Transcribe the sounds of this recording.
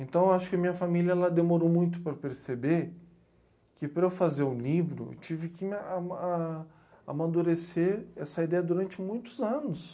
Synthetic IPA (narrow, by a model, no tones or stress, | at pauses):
ẽnt̪ɐ̃w̃aʃʊ̥kɪɐmĩɲɐfamiljɐɛlad̪emoɾomũj̃t̪̬ʊ̥pɾɐpeɾsebeɾ | kɪpɾɐewfazeɾʊ̃livɾʊ̰ḛwt͡ʃivɪkɪmaa | a̰mad̪uɾeseɛsɐid̪ɛjɐd̪uɾɐ̃nt͡ʃɪmũj̃t̪ʊ̥zɐ̃nʊs